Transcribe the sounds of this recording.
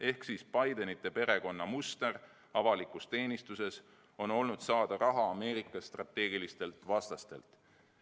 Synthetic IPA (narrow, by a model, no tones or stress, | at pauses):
e̞hksispɑjd̪e̞nit̪ˑːe̞pe̞ɾe̞ko̞nːɑmust̪e̞r | ɑvɑlikˑust̪e̞ːnist̪use̞s | o̞no̞lnud̪̥sɑːd̪̥ɑɾɑɦɑːme̞ːɾikːˑɑst̪rɑt̪ːˑe̞ːɡ̥ilist̪e̞lt̪ˑvɑst̪ɑst̪e̞lt̪ˑ